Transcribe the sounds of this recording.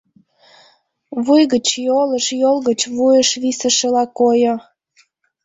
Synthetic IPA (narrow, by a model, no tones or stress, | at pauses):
βujɣət͡ɕjoləʃjolɣət͡ɕβujəʃβisəʃəlɑkojo